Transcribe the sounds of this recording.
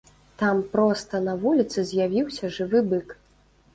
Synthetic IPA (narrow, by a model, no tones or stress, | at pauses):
t̪ampɾɔst̪ɐnɐvulʲit̪sɨzʲjavʲiwsʲɐʐɨvɨbɨk